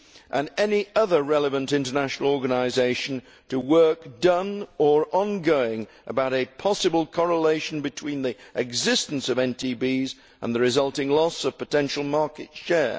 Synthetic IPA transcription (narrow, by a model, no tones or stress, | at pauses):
ʔə̃nɛniʔʌðə˞ɹɛlˠəvə̃ntɪ̃ntə˞næʃn̩l̩ˠɔɹɡɨnəɪzeɪʃɨ̃n̩ | tʰəwɜ˞k̚d̥ʌ̃nə˞ʔə̃nɡoʊɪ̃ŋ | ʔəbaʊɾɨpʰɑsɨbəl̩ˠkʰɑɹəleɪʃn̩bɨtʰw̥ĩnðiʔɨɡzɪstn̩sʌvɛ̃ntʰibiz | ʔə̰̃nðɨɹɨzʌlˠtɪ̃ŋlɔsʌv̥pɨtʰɛ̃nʃl̩ˠmɑɹkɨtʃɛɹ